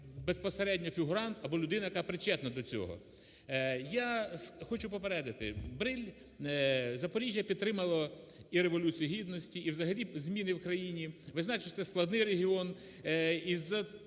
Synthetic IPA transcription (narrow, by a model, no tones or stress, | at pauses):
bespɔseɾɛdʲnʲɔfʲiɦʊɾɑnt̪ɐbɔlʲʊd̪ɪnɐjɐkapɾɪt͡ʃɛt̪nɐd̪ɔt͡sʲɔ̰ɦɔ̰ | jasxɔt͡ʃʊpɔpeɾɛd̪ɐt̪ɪ̰bɾɪlʲ | zɐpɔɾʲiʒʲjɐpʲid̪̚t̪ɾɪmɐlˠɔ | iɾeʋɔlʲut͡sʲijiɦʲid̪nɔsʲtʲiːwzɐɦɐlʲizʲmʲinɪwkɾɐjinʲiʋɪznat͡ʃɪtʲt̪sɛsklˠɐd̪nɪjɾeɦʲiɔn | izɐ